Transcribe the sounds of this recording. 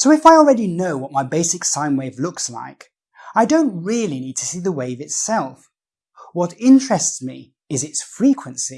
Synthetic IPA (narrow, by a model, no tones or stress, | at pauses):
soʊɨfaɪl̩ˠɹɛɾinoʊwʌt̚maɪbeɪsɨksãɪ̃nweɪvlʊksla̰ɪk | aɪdõʊ̃nt̚ɹɪlˠinid̚tʰɨsiðəweɪʌvɨtsɛlˠf | wʌɾɪ̃nt͡ʃɹ̥ɨstsmi | ɨzɨtsfɹikʰwɨ̃nsi